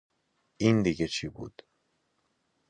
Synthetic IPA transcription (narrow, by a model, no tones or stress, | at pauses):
ind̪iɟet͡ʃʰibṵːd̪̥